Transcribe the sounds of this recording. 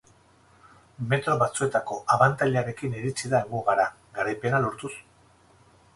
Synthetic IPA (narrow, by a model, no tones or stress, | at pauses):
me̞t̪ɾo̞βat͡sue̞t̪ako̞ʔaβant̪aʎeaɾe̞kiniɾit͡siðaeŋɡuɣaɾa | ɡaɾajpe̞nalo̞ɾt̪us